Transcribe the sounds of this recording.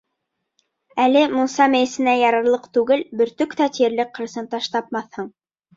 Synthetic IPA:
ælɘmŭsɑmæjɘ̆sɘ̆næjɑɾɑɾlˠɤqt̪ʉɡɘlbɵ̆ɾt̪ɵkt̪æt̪ijɘ̆ɾlɘkqːɤ̆ɾɤ̆sɤnt̪ɑʃt̪ɑp̚mɑθhɤɴ

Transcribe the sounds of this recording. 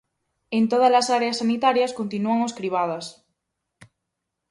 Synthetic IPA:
ẽnt̪oð̞azlasaɾeasːanit̪aɾjaskont̪inuaŋoskɾiβ̞að̞ɐs

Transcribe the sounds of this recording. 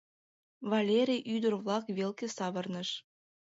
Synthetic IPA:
vɑlʲeɾʲijʔyd̪ərβlɑkβelkesɑβərnəʃ

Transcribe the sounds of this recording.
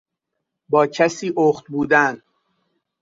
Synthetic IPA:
bɒːcʰæsiːʔoxt̪̚buːd̪æn

